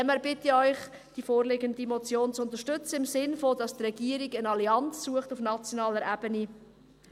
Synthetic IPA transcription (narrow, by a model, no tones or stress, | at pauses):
ɛməɾbɪtəœʏχ | d̥ifoːrlɪɡəndimɔt͡sjoːnt͡sʊnt̪əʃtʏt͡səɪmsɪnfodɑst̪rɛɡiəɾiɡənɑliɑnt͡sːuəχtufnɑt͡sjonɑːləɾʔæb̥əni